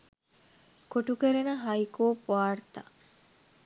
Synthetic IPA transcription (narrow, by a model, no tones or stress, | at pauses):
koʈukeɾenəɦɐikoːpʋaːrt̪a̰